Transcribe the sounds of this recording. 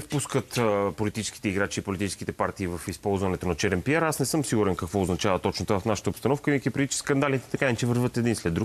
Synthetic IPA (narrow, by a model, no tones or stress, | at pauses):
fpuskət̪polit̪it͡ʃɛ̥ski̥t̪ɛiɡɾat͡ʃiːpolit̪it͡ʃɛ̥sk̟it̪ɛpaɾt̪iːvəfispɔlˠzvɐnɛt̪onɐt͡ʃɛɾɛmpiaɾasnɛsɤmsiɡuɾɛnkɐkvɔoznɐt͡ʃavət̪ɔt͡ʃnot̪ovaɐfnaʃə̥t̪əopst̪ɐnɔfkəiɛk̪ʲɛpɾɛd̪it͡ʃɛ̥skɐnd̪alit̪ɛ̥t̪ɐkainɛt͡ʃɛvəɾvət̪ɛd̪inslɛd̪ːɾuk